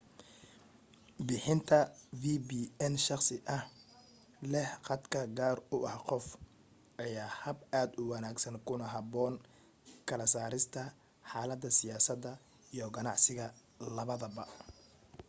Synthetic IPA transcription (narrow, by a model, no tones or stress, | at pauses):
bɪħɪnt̪ʰɐviːbiːɛnʃɑχsɪʔɐh | lɛhqɑd̪kʰɐɡaːrʊʔɐhqɔf | ʔɐjaːhɐbaːd̪ʊwɑnaːɡsɐnkʰʊnɐɦɐbɔːŋ | kʰɐlɐsaːɾɪst̪ʰɐ | ħɑːlɐd̪ːɐsɪjaːsɐd̪ɐ | ijɔɡɐnɑ̰ʕsɪɣɐ | lɐβɐðɐbɐ